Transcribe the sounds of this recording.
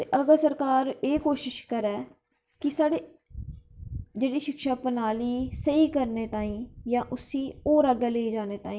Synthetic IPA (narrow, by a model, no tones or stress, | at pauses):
t̪eːʔəɡəlsəɾkaːɾeːkoːʃɪʃkəɾɛː | kɪsaːɽeː | d͡ʒeːɽiːʃɪkʃaːpənaːliːsəiːkəɾneːt̪ãːĩːjãːʔʊsiːoːɾaɡeːleːiːd͡ʒaːneːt̪aːĩː